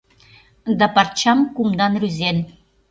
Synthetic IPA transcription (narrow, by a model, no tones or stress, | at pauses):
d̪ɑpɑrt͡ɕɑmkumd̪ɑnryzen